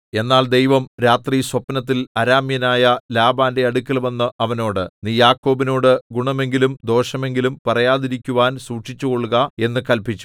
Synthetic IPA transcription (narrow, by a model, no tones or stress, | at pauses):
e̞nːaːld̪e̞jʋɐmɾaːt̪riswɐpnɐt̪̬ːilɐɾaːmjɐnaːjɐlaːbaːnde̞ɐɽukʲːɐlʋɐnːɨʔɐʋɐno̞ːɽɨniːjaːkːo̞ːbino̞ːɽɨɡuɳɐme̞ŋɡilumd̪o̞ːʂɐme̞ŋɡilumpɐrɐjaːðiɾikʲːuʋaːnsuːʈʂit͡ɕːuɣo̞ɭuɣɐe̞nːɨkɐlpit͡ɕːu̥